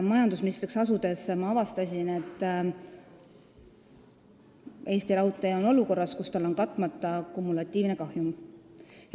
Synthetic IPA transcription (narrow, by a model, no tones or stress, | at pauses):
mɑjɑnd̪̥usminist̪ɾiksɑsud̪̥e̞smɑɑvɑst̪ɑsʲine̞t̪ːˑ | e̞ːst̪iɾɑut̪ːˑejɑono̞luko̞rːɑskust̪ɑlo̞nkɑt̪ːˑmɑt̪ːˑɑkumːulɑt̪ʲːˑiːvne̞kɑhjum